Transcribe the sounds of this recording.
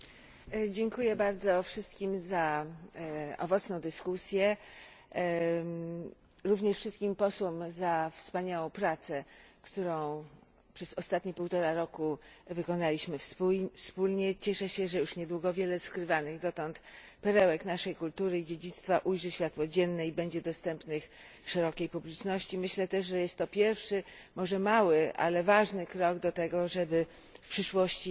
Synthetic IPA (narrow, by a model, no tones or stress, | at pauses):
d͡ʑɛŋkujɛbaɾd̪zɔfʂɘst̪kʲimza | ɔ̰vɔt̪snɔ̃w̃d̪ɘskusʲjɛ | ɾuvɲɛʂfʂɘst̪̚kʲimpɔswɔmzafspaɲawɔ̃w̃pɾat̪sɛkt̪uɾɔ̃w̃ | pʂɛzɔst̪at̪ɲipuwt̪ɔɾaɾɔkuvɘkɔnalʲiɕmɘfspulɲɛt͡ɕɛʂɛɕɛʐɛjuʂɲɛd̪wuɡɔvʲjɛlɛskɾɘvanɘɣd̪ɔt̪ɔnt̪ | pɛɾɛwɛknaʂɛjkult̪uɾɘid͡ʑed͡ʑit̪st̪faʔujʐɛɕfʲjat̪wɔd͡ʑɛnːɛibɛɲd͡ʑɛd̪ɔst̪ɛmpnɘx | ʂɛɾɔkʲejpublʲit͡ʂnɔɕt͡ɕimɘɕlɛt̪ɛʂʐɛjɛst̪ːɔpʲjɛɾfʂɘ | mɔʐɛmawɘʔa̰lɛvaʐnɘkɾɔɡd̪ɔt̪ɛɡɔʐɛbɘ | fpʂɘʂwɔɕt͡ɕi